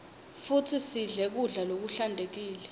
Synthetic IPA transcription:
futʰisiɮɛk̬uɮalok̬uɬandʱek̬iːlɛ

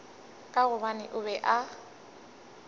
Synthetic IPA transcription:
kʼaɣʊβanɪ̰ʔʊβɛʔa

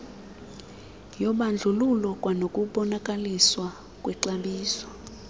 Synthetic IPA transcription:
jɔɓand͡ɮʱululɔkʼwanokʼuɓɔnakʼaliswa | kʼwɛǀaɓiːsɔ̥

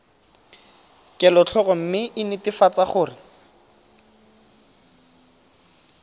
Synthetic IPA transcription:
kɛlɔt͡ɬʰɔrɔm̩mɪʔɪnɪtɪfat͡saχʊːrɪ

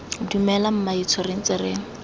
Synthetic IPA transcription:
dumɛlam̩mait͡sʰɔrɪn̩t͡sɪrɪːŋ̩

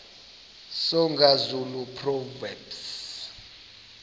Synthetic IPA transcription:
sɔŋɡʱazulupʰrɔvɛms

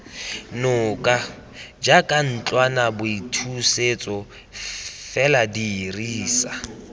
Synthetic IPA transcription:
nʊkʼa | d͡ʒakʼan̩t͡ɬʼwanabʊitʰuset͡sʼɔ | fɛladiːriːsa

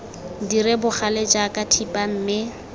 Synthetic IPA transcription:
diɾɪbʊχaled͡ʒʼakʼatʰipʼam̩ːmɪ

